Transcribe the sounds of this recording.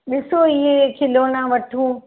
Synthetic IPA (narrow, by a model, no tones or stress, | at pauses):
ɗɪsoɪɦekʰɪloːnãʋɐʈʰũː